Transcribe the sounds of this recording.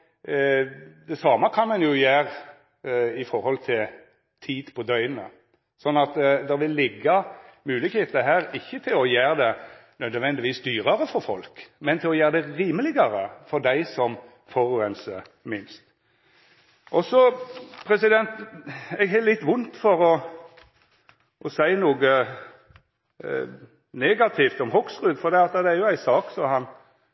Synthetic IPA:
d̪ɛsɑːməkʰɑnmɑnjʊjæːɾ | ɪfɔɾhɔlt̪ʰɪl | t̪ʰiːd̪̥pʰɔd̪œʏnə | sɔnːɑt̪d̪ɛʋɪlːɪɡːɑmʉːlɪɡheːt̪əɦæːɾɪçːət̪ʰɪlɔjæːɾd̪ɛnœd̪ʋɛnd̪ɪʋiːsd̪yːɾɑɾəfɔɾfɔlkmɛnt̪ʰɪlɔjæːɾd̪ɛɾiːməlɪɡɑɾəfɔɾd̪æɪsɔm | foɾʉːɛnsə̰ | mɪnst̪ | ʔɔsɔpʰɾɛsɪd̪ɛnt̪ɛɡɦælɪt̪ːʋʊnt̪fɔɾɔ | ʔɔsæɪnuːɡə | neːɡɑt̪ʰɪft̪ɔmhɔksʁʉːd̪fɔɾd̪ɛːɑt̪ːəd̪ɛæɾjʊæɪsɑːksɔmhɑn

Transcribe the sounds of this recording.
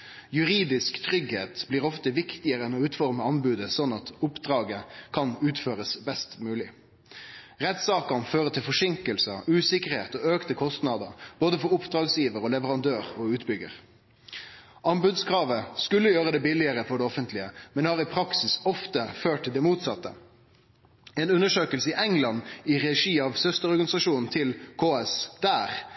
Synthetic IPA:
jʉɾiːd̪ɪskt̪ʰɾʏɡhḛːt̪bliːʁɔft̪əʋɪkt̪ɪəɾəɛnɔʉːt̪fɔʁməɑnbʉːd̪əsɔnːɑt̪ʊpd̪ʁɑːɡəkʰɑnʉːt̪føːɾəsbɛst̪mʉːlɪ | ʁɛt̪sɑːkɑnføːʁət̪ʰɪlfɔʂɪŋkəlsəʉːsɪkəʁhḛːt̪ɔːøːkt̪əkʰɔst̪nɑd̪əɾb̥oːd̪əfɔɾʊpd̪ʁɑːɡsjiːʋəɾɔlɛʋəʁɑnd̪øːʁɔʉːt̪bʏɡə̰ʁ | ɑmbʉd̪skɾɑːʋəskʉlːəjøːʁəd̪ɛbɪlɪəʁəfɔɖɛɔfənt̪ʰlɪəmɛnhɑːʁɪpʰɾɑksɪsɔft̪əføːʈʈ̪ʰt̪ʰɪld̪ɛmuːt̪sɑt̪ːə̰ | eːnʉnəʂøːkəlsəɪʔɛŋlɑnːɪʁɛʂiːɑʋsœst̪əʁɔɾɡɑnɪsɑʂuːnn̩t̪ʰɪlkʰoːɛsd̪̥æːʁ

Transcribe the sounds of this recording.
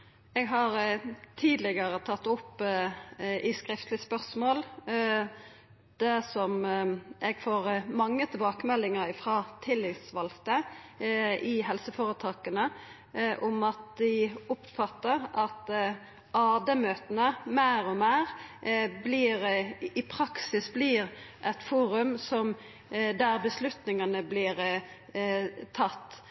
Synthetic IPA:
ɛɡɦɑɾt̪ʰiːd̪lɪɡəɾət̪ʰɑt̪ːʊpː | ʔɪskɾɪft̪lɪspœʁsmoːl | d̪̥ɛsɔmʔɛɡfoːʁmɑŋːət̪ʰɪlbɑːkəmɛlːɪŋəɾɪfɾɑːt̪ʰɪlːɪsʋɑlt̪ə | ɪɦɛlsəfoːɾət̪ʰɑːkənə | ʔʊmɑt̪̚d̪ɪʊpfɑt̪ːəɾɑt̪ | ɑːd̪əmøːt̪ənəmeːɾɔmeːʁbliːɾɪpʰɾɑksɪsbliːʁʔɛt̪fuːɾʉmsɔm | d̪æɾbəslʉt̪nɪŋɑnəblɪɾ | t̪ʰɑt̪ː

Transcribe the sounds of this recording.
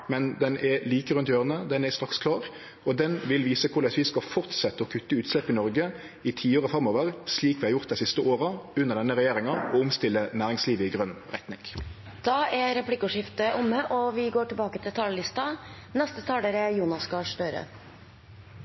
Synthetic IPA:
mɛnd̪ɛnʔɛliːkəɾʁʉnt̪jøːʁənəd̪ɛnɛst̪ɾɑkskʰlɑːʁ | ɔd̪ɛnʋɪlʋiːsəkʰʊlɑsʋɪskɑfɔʁt̪sɛt̪ːəɔkʰʉt̪ːəʉːt̪slɛpːɪnɔɾɡə | ɪt̪ʰiːoːʁəfʁɑmoːʋəʁsliːkʋɪhɑʁjʊʁt̪̚d̪æɪsɪst̪əʔoːʁɑʉnːəʁd̪ɛnːəʁɛjeːʁɪŋɑɔʊmst̪ɪlːənæːʁɪŋsliːʋəɪɡʁœnʁɛ̰t̪nɪŋ | d̪̥ɑːʔɛɾɛpʰlɪkʊʂɪft̪əʔʊmːəʔɔʋɪɡoːʈɪlbɑːkət̪ʰɪlt̪ʰɑːləlɪst̪ɑ | nɛst̪ət̪ʰɑːləɾəjuːnɑsɡɑːʂɖ̪øːɾə̰

